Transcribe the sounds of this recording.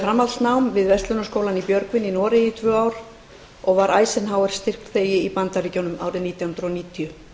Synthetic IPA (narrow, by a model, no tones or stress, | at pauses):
fɾamːalt̪nawmvɪðvɛst̪lʏnaskoːwlanipjœɾkvɪnːinɔːɾɪit̪ʰvœːaːwɾ | ɔɣvaɾaːjsɪnɦaːwɛɾ̥st̪ɪr̥k̪θeːjɪipant̪aɾiːcawnʏma̰wɾɪniːt̪jahnɾɔniːt̪ʰiʏ